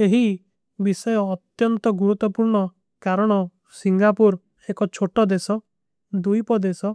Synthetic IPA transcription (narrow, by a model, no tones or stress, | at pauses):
eɦi | bisɔjɔːt̪jɔnt̪ɔɡuɾut̪ːɔpuɾɳɔ | kaɾɔɽ̃ɔ | siŋɡapuɾ | ekɔt͡ʃʰoʈɔd̪esɔ | d̪ujpɔd̪esɔ